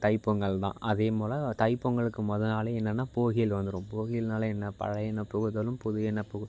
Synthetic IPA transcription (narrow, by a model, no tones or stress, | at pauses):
t̪ɐɪpːɯŋɡɐɭt̪ã̰ːʔɐðeːmoːlɐ̃t̪ɐɪpːɯŋɡɐɭɯkːɯmɔðɯnaːleɛnːɐnːaːpoːɣɪjɪlʋɐnd̪ɯɾũːmpoːɣɪjɪlnaːlɐɛnːɐpɐ̰ɻɐjɛnɐpːɯɣɯðɐlɯmpʊðʊjɛnːɐpːɯɣɯ